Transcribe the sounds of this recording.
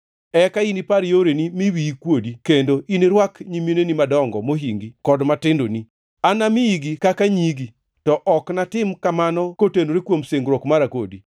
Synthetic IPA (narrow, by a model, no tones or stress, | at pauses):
ɛkainipaɾjoɾenimiwikwodikendoʔineɾwakɲiminenimadɔŋɡɔ̰moɦiŋɡikɔdmatɪndoni | anamiiɡikakaɲiɡi | tɔʔɔknatɪmkamanɔkotendoɾikwomseŋɡɾɔkmaɾako̰di